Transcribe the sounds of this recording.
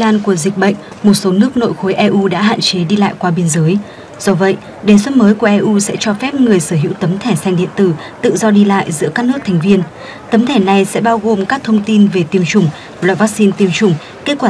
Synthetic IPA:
laː˧nku˧˩əzï˨˩k̟̚ɓə̰˧˨jŋ̟ | mo˨˩t̚so˨˦nɨ˦˥ək̚no̰˧˨jxo˨˦jʔɛ˧ʔu˧ɗa̰ː˧˥ɦa̰ː˧˨nt͡ɕe˨˦ɗi˧la̰ː˧˨jkwaː˧ɓe˧ənzəː˨˦j | z̥ɔ˧və̰˧˨jʔ | ɗe˨˩s̬wə˦˥t̚məː˨˦jku˧˩əʔɛ˧ʔu˧sɛ̰˧˥t͡ɕɔ˧fɛ˦˥p̚ŋɨ˨˩əjsəː˧˩ɦḭ˧˥wt̪ə˨˦mt̪ʰɛ˧˩sa˧jŋ̟ɗḭ˧˨ənt̪ɨ˧˩ | t̪ɨ̰˧˨zɔ˧ɗi˧la̰ː˧˨jzɨ̰˧˥əkaː˦˥k̚nɨ˦˥ək̚t̪ʰɛ˨˩ŋ̟vi˧ən | t̪ə˨˦mt̪ʰɛ˧˩na˨˩jsɛ̰˧˥ɓaː˧wɣo˨˩mkaː˦˥k̚t̪ʰə˧wŋ͡mt̪i˧nve˨˩t̪i˧əmt͡ɕʊ˨˩ŋ͡m | lwaː˨˧˩vaː˦˥k̚si˧nt̪i˧əmt͡ɕʊ˨˩ŋ͡m | ke˦˥t̚kwaː˧

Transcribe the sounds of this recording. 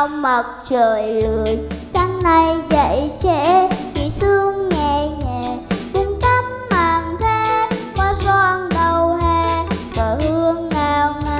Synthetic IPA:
wmə˨˩t̚t͡ɕəː˨˩jlɨ˨əjt͡ɕa˧ŋna˧jzə̰˧˨jt͡ɕe˧˥t͡ɕḭ˧˨sɨ˧əŋːɛ˨˩ɲɛː˨˩kʊ˧˩ŋ͡mt̪a˧mːaː˨˩ŋt̪ʰe˧˦maː˧˩sa˧ŋɗə˧wɦɛ˧vaː˨˩hɨ˧əŋːaː˧wn˧

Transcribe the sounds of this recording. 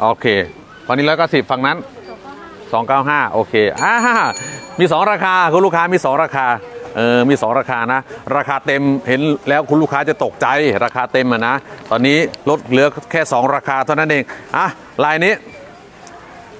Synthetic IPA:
ʔoː˧kʰeː˧ | ɔ˧niː˦˥ɾɔː˦˥jkaː˥˩si˨˩p̚fa˧ŋna˦˥n | sɔː˩˦ŋkaː˥˩wɦaː˥˩ʔoː˧˩kʰeː˧ʔaː˧˩a˧˩miː˧˩sɔː˩˦ŋɾaː˧kʰaː˧kʰu˧nluː˥˩kʰaː˦˥miː˧sɔː˩˦ŋɾaː˧kʰaː˧ʔɤː˧˩miː˧sɔː˩˦ŋɾaː˧kʰaː˧na˦˥ɾaː˧kʰaː˧t̪e˧mhe˩˦nlɛː˦˥wkʰu˧lu˥˩kʰaː˦˥t͡ɕa˨˩t̪o˨˩k̚t͡ɕa˧jɾaː˧kʰaː˧t̪e˧mːa˨˩na˦˥t̪ɔː˧nːiː˦˥lo˦˥t̪̚lɯ˨˦ɐkʰɛː˥˩sɔː˩˦ŋɾaː˧kʰaː˧t̪ʰa˥˩na˦˥nʔeː˧ŋʔa˧˩ | laː˧jniː˦˥˩

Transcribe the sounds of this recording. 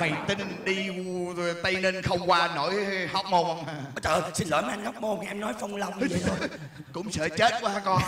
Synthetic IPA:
ma˨˩jt̪ï˧nɗi˧˨t̪ə˧jne˧nxə˧wŋ͡mkwaː˧no˧˥˨jhɔ˦˥wk͡p̚mo˧ŋ͡mɔ˨˦t͡ɕəː˨˩si˧nlə̰ː˨˧˩m˨˧˥ʔa˧ŋha˦˥wk͡p̚mo˧ŋ͡mkʔɛ˧mnɔ˨˦jfa˧wŋ͡mla˧wŋ͡mɲ˨˩t̪ʰo˧˩ | kʊ̰˧˥ŋ͡msə̰ː˧˩t͡ɕe˦˥t̚ku˧˩˦haː˧˥kɔ˧n

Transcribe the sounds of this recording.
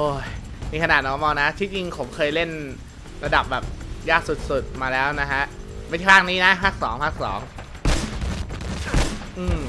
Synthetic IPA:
oː˧˩j | miː˧kʰa˧naː˨˩t̪̚nɔː˨˥˦mɔː˧na˦˥t̪ʰiː˧˥˩t͡ɕi˧ŋpʰo˩˦mkʰɤː˧jle˥˩n | ɾa˧da˨˩p̚bɛː˨˩p̚jaː˥˩k̚su˨˩t̪̚su˨˩t̪̚maː˧lɛː˦˥wna˦˥kʰa˦˥ʔ | ma˥˩a˥˩pʰaː˥˩k̚niː˦˥na˦˥pʰaː˥˩k̚sɔː˩˦ŋpʰaː˥˩k̚sɔ̰ː˩˦ŋ | ʔɯː˧m

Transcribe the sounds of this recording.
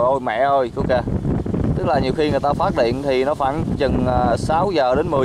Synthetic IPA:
ʔo˧jmɛ̰˧˨ʔo˧jʔo˧wke˧t̪ɨ˦˥k̚laː˨˩ɲi˨˩əwxi˧ŋɨ˨˩jt̪aː˧faː˦˥t̚ɗḭ˧˨ənt̪ʰi˨˩nɔ˨˦faː˧˩nzə˨˩nəː˨˩saː˨˦wzəː˨˩ɗe˨˦nmɨ˨˩

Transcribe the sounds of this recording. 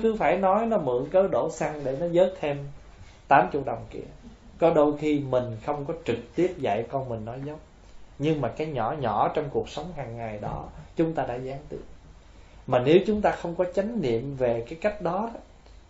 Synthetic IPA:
kɨ˨˦faː˧˩jnɔ˨˦jnɔ˨˦mɨ̰˧˨əŋkəː˨˦ɗo˧˩sa˧ŋɗe˧˩nɔ˨˦zəː˨˦˥t̚t̪ʰe˧m | t̪aː˨˦mt͡ɕʊ̰˨˧˩ək̚ɗə˨˩wŋ͡mkḭ˧˩ə | kɔ˨˦ɗo˧jxi˧mï˨˩ŋ̟xə˧wŋ͡mkɔ˨˦t͡ɕɨ˨˩k̚t̪i˦˥əp̚za̰˧˨jkɔ˧nmï˨˩ŋ̟nɔ˨˦jzə˨˦wŋ͡m̚ | ɲɨ˧ŋmaː˨˩kaː˨˦jɲɔ˧˩ɲɔ˧˩t͡ɕɔ˧wŋ͡mku˨˩ək̚sə˨˦wŋ͡mhaː˨˩ŋːa˨˩jɗɔ˨˦t͡ɕʊ˨˦ŋ͡mt̪aː˧ɗa̰ː˧˥zaː˨˦ŋt̪ḭ˧˩ | maː˨˩ne˨˦wt͡ɕʊ˨˦ŋ͡mt̪aː˧xə˧wŋ͡mkɔ˨˦t͡ɕa˨˦jŋ̟nḭ˧˨əmve˨˩kaː˨˦jka˦˥jk̟̚ɗɔ˨˦

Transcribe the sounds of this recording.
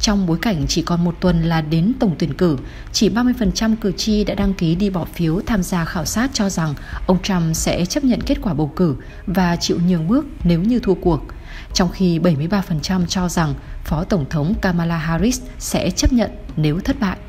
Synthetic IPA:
t͡ɕɔ˧wŋ͡mɓo˨˦jka˧˩jŋ̟t͡ɕi˧˩kɔ˨˩nmo˨˩t̚t̪wə˨˩nlaː˨˩ɗe˨˦nt̪ə˧˩wŋ͡mt̪wi˧˩ənkɨ˧˩ | t͡ɕi˧˩ɓaː˧mɨ˧əjfə˨˩nt͡ɕa˧mkɨ˨˩t͡ɕi˧ɗa̰ː˧˥ɗa˧ŋki˨˦ɗi˧ɓɔ˧˩fi˨˦əwt̪ʰaː˧mzaː˧xaː˧˩wsaː˦˥t̚t͡ɕɔ˧za˨˩ŋʔə˧wŋ͡mt͡ɕa˧msɛ̰˧˥t͡ɕə˦˥p̚ɲə̰˧˨nke˦˥t̚kwaː˧˩ɓə˨˩wkɨ˧˩ | vaː˨˩t͡ɕḭ˧˨wɲi˨˩əwmɨ˦˥ək̚ne˨˦wɲɨ˧t̪ʰu˧əku˨˩ək̚ | t͡ɕɔ˧wŋ͡mxi˧ɓə˧˩jmɨ˧əjɓaː˧fə˨˩nt͡ɕa˧mt͡ɕɔ˧za˨˩ŋfɔ˨˦t̪ə˧˩wŋ͡mt̪ʰə˨˦wŋ͡mkaː˧maː˧laː˧ɦaː˧ɾi˦˥s | sɛ̰˧˥t͡ɕə˦˥p̚ɲə̰˧˨nne˨˦wt̪ʰə˦˥t̚ɓa̰ː˧˨jʔ

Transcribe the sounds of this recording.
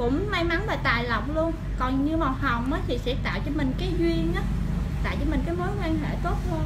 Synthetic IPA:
kʊ̰˧˥ŋ͡mma˧jma˨˦nveː˨˩jt̪aː˨˩jlə˨˩wk͡p̚lu˧ən | kɔ˨˩nɲɨ˧ma˨˩wɦə˨˩wŋ͡mʔəː˨˦t̪ʰi˨˩sɛ̰˧˥t̪a̰ː˧˨wt͡ɕɔ˧mï˨˩ŋ̟kaː˨˦jzwi˧ənaː˨˦ | t̪a̰ː˧˨jt͡ɕɔ˧mï˨˩ŋ̟kaː˨˦jmoː˨˦jkwi˧ŋɦḛ˧˩t̪o˦˥t̚lu˧ən

